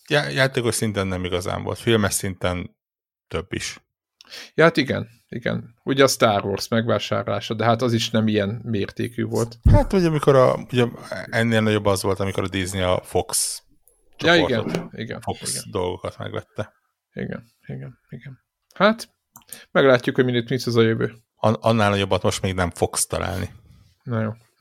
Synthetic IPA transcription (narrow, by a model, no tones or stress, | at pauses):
jajaːt̪eːko̞ʃsint̪ɛnːɛmiɡɒza̰ːɱvo̰lt̪filmɛʃsint̪ɛn | t̪øbːiʃ | jɒhat̪iɡɛ̰n | ḭɡɛ̰nuɟɛɒst̪aːrvorsmɛɡʋaːʃa̰ːrla̰ːʃɒd̪ɛɦat̪ɒziʃnɛmijɛnmeːrt̪ḛːkyːvo̞lt̪haːt̪hoɟɒmiko̞ɾɒ̰uɟɛɛnːeːlnɒɟo̞bːɒzʋo̞lt̪ɒmiko̞ɾɒd̪izniɒ̰fo̞ks | t͡ʃjɒirɡɛt̪ḭɡɛ̰nfokḭɡɛ̰d̪o̞lɡo̞kɒt̪mɛ̰ɡʋɛ̰t̪ːɛ | ḭɡɛ̰n | iɡɛniɡɛn | hat̪ | mɛɡlaːcːukho̞ɟminet̪mit̪sɛzɒjøvøː | ɒnɒnːaːlnɒɟo̞bːɒt̪mo̞ʃt̪meːɡnɛɱfo̞kst̪ɒ̰lʔa̰ːlni | nɛjoː